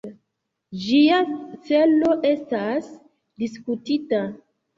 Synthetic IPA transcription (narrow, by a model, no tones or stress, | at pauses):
d͡ʒiat͡selo̞ʔestas | diskutita